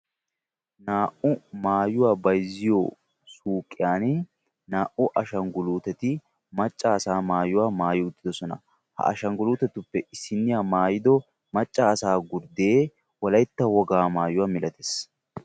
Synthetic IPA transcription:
naːʔʊmaːjʊwaːbɐjzːɪjo | suːkʼːɪjaːn | naːʔʊʔɐʃɐŋɡʊluːt̪ɛt̪ɪ | mɐt͡ʃʼːaːsaːmaːjʊwaːmaːjɪʊd̪ːɪd̪ɔsɔnɐ̰ | hɐ̰ʔɐ̰ʃɐŋɡʊluːt̪ɛt̪ʊpːɛʔɪsːɪnːɪjaːmaːjɪd̪ɔ | mɐt͡ʃʼːaːsaːɡʊɾd̪eː | wɔlɐjt̪ːɐwɔɡaːmaːjʊwaːmɪlɐt̪ɛs

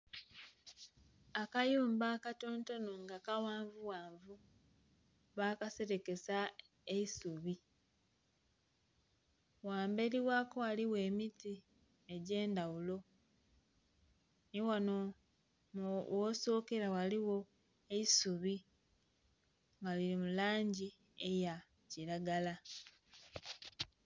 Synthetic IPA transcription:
akajuːmbaːkatoːnto̞noŋɡakawaːɱvuwaːɱvu | βaːkase̞ɾe̞ke̞sa | eisuβi | waːmbe̞ɾiwaːko̞waliwe̞ːmiti | eɟe̞ːndawulo̞ | niwano | mwoso̞ːke̞ɾawaliwo̞ | eisuβi | ŋɡaliɾimulaːɲɟi | eja | ciɾaɡala

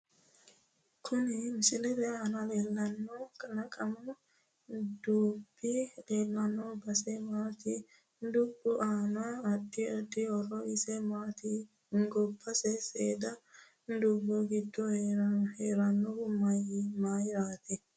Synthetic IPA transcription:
kʰʊnɪmɪsɪlɛd̪ɛaːnɐleːlːɐnːɔkɐnɐkʼɐmɐ | d̪uːbːɪleːlːɐnːɔbɐsɛmaːt̪i | nd̪ʊbːʊʔaːnaɐd̪ːɪɐd̪ːɪɔrɔɪsɛmaːt̪i | hɪŋɡɔbːɐsɛseːd̪ɐ | nd̪uːbɔɡɪd̪ːɔhheːɾɐnːɔɡʊmɐjɪmaːjɪɾaːt̪ɪ

